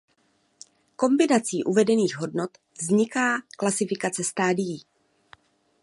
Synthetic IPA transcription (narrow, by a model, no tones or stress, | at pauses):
ko̞mbɪnat͡siːʔuvɛdɛniːɣɦo̞dnot̪ | vzɲɪkaːklasɪfɪkat͡sɛst̪aːdɪji